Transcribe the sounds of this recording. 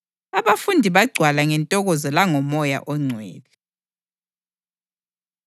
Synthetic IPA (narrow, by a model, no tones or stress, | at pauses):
aβafundʱiβaɡ͡ǀʱwalaŋɛntʼɔɣɔzɔlaŋɔmɔja̰ʔɔŋ͡ǀʱwɛ̰ːli